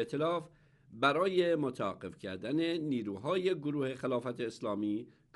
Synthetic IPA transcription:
t̪ʰelɒːf | bæɾɒːjemot̪ʰææɡːefcʰæɾd̪æneniːɾuːɦɒːjeɡoɾuːhe̞xelɒːfæt̪ʰeːslɒːmiː | k

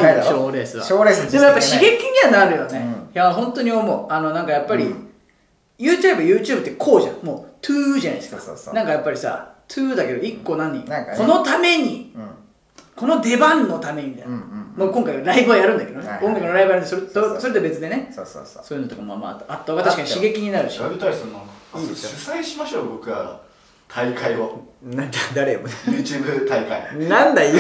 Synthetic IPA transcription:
ɕoːɾeːsɨβa̰oːɾesd̪emojapːaɕiɡekʲĩɲ̟ianaɾɯjo̞ne̞jaɦõ̞nt̪o̞ɲ̟iomoano̞nãŋkajapːaɾʲḭ | jɯːt͡ɕae̞bajɯ̟ːt͡ɕɨːbɯ̟t̪ːekʰo̞ːʑã̰mo̞ːt̪ʰɯːʑana̰iska̰nãŋkajapːaɾʲisa̰t̪ʰɨːd̪ake̞d̪o̞ikːo̞nãɲːḭko̞no̞t̪ame̞ɲ̟i | kʰo̞no̞d̪e̞bãnːo̞t̪ame̞ɲimʲit̪amokõŋkaiaɾaibɯajaɾɯ̃nd̪aked̪oneõ̞ŋɡakɯnɾaibɯjaɾɯ̃nsoɾeosoɾet̪obe̞t͡sɨd̪e̞nḛ | so̞ːjɨnot̪okamoam̰a̰t̪ːat̪ːoɡat̪aɕikaɲiɕiɡe̞kʲiɲ̟inaɾɯ̟ɕibɯt̪aɾisõnːãiːd̪esjɯsaeɕimaɕoːbokɯ̟a̰ | t̪ʰaikʰaionãd̪ad̪aɾemonejɯːt͡ɕɯːbɯt̪aikã̰inãnd̪a

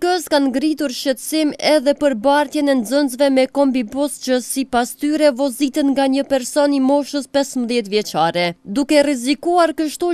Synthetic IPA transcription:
kəskanɡɾit̪uɾʃət̪ə̥simɛðɛpəɾbaɾt̪jɛnɛnd͡zənzvɛmɛkɔmbibɔst͡ʃəsipast̪yɾɛvɔzit̪ənŋɡaɲəpɛɾsɔnimɔʃəspɛsmðjɛt̪vjɛt͡ʃaɾɛd̪ukɛrɛzikuaɾkəʃt̪u

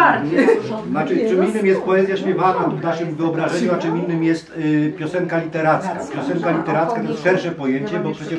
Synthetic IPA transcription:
aɾɛnat͡ʂɘt͡ʂɘmʲinːɘmjɛst̪̚pɔɛzʲjaɕpʲjɛvak̪ɔ̃md̪aʂɛmvɘɔbɾaʐɛɲuat͡ʂɨmʲinːɘmjɛst̪pʲjɔsɛŋkalʲit̪ɛɾat̪skapʲjɔsɛŋkalʲit̪ɛɾat̪skat̪ɔjɛsʂɛɾʂɛpɔjeɲt͡ɕɛbɔpʂɛt͡ɕɛ

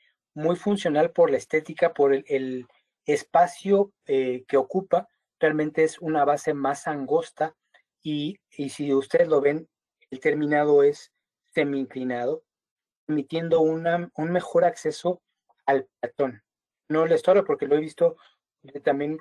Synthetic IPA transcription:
mujfunsjo̞nalpo̞ɾlaest̪e̞t̪ikapo̞ɾeel | espasjo̞ | eke̞o̞kupa | realmẽ̞nt̪e̞esunaβase̞masaŋɡo̞st̪a | i | isiust̪e̞ðezloβe̞n | e̞lt̪e̞ɾmĩnað̞o̞e̞sː | e̞miiŋklinað̞o̞ | emit̪je̞nd̪o̞unaunme̞xo̞ɾakse̞so̞ | alplat̪o̞nː | o̞le̞st̪oɾapo̞ɾke̞lo̞e̞βist̪o̞ | et̪ambje̞n

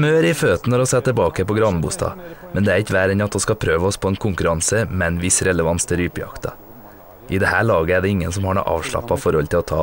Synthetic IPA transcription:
møːɾɪføːt̪n̩ɔɾɔsɛt̪ːəbɑːkəpɔɡɾɑnbṵst̪ɑ̰ːmɛnd̪ɛæɾɪkʋæːɾɛnɑt̪̚oskɑpʰɾøːʋəɔspʰɔːɛːnkʰʊŋkʉɾɑnsəmɛnʋɪsɾɛləʋɑnst̪ʰɪɾyːpjɑ̰kt̪ʰɑ̰ | ʔɪd̪ɛhæːɭɑːɡəæɖɛɪŋːənsɔmhɑːɳo̰ːʔɑ̰ːʋʂɭɑ̰pːɑfɔɾhɔlt̪ʰɪlɔt̪ʰɑ̰ː

